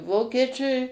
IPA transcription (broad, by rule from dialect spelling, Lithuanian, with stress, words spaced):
ˈʋoːkʲiɛt͡ʃʲʊɪ